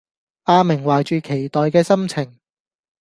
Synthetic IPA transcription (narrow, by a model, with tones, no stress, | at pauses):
ʔaː˧mɪ˨˩ŋwaː˨jt͡ʃyː˨kʰe˨˩jt̪ɔː˨jkɛː˧sɐ˥mt͡sʰɪ˨˩ŋ